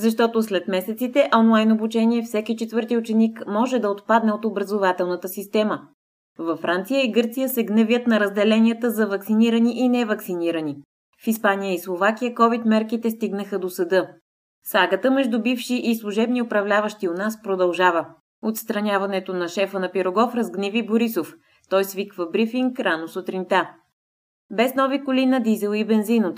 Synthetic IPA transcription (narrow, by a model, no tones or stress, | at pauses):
zɐʃ̬t̪ɔt̪oslɛt̪mɛsɛt̪sit̪ɛʔɔnlˠajnobut͡ʃɛniɛfsɛkit͡ʃɛt̪vɤɾt̪iʊt͡ʃɛnikmɔʒɛd̪ɐot̪pad̪nɛot̪obɾɐzovat̪ɛlˠnət̪əsist̪ɛmə | vɐfːɾant̪sijəiɡɤɾt̪sijəsɛɡnɛvʲjət̪nɐɾəzd̪ɛlɛnijət̪əzɐvɐksiniɾəniʔinɛvɐksiniɾəni | fispanijəislˠovak̟ijəkɔvit̪mɛɾkit̪ɛst̪iɡnəxəd̪osɐd̪ɤ | saɡət̪əmɛʒd̪ubifʃiʔislˠuʒɛbniʊpɾɐvlʲavəʃt̪ionaspɾod̪ɐlˠʒavə | ot̪st̪ɾɐnʲavɐnɛt̪onɐʃɛfənɐpiɾoɡɔfɾɐzɡnɛviboɾisof | t̪ɔjsvikvəbɾifiŋkɾanosot̪ɾint̪a | bɛsnɔvikʊlinɐd̪izɛlˠibɛnzinʊt̪